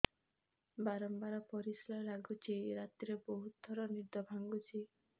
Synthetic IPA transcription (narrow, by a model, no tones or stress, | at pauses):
baɾɔmbaɾɔpɔɾislalaɡut͡ʃʰiɾat̪iɾeboɦut̪̚d̪ʱɔɾɔniɾd̪ɔbʱaŋɡut͡ʃʰi